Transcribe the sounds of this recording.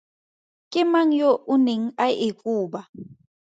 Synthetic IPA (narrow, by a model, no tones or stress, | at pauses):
kʼɪmaŋ̩joʔuneŋ̩ajikʼuːɓa